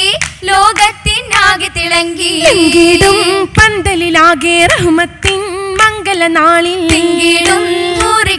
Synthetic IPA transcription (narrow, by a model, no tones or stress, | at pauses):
iloːɡɐt̪ːinaːɡit̪iɭɐŋɡiiŋɡiɽumpɐnd̪ɐlilaːɡeːɾɐɦumɐt̪ːimɐŋɡɐlɐnaːɭiiŋɡiɽump̪uːɾi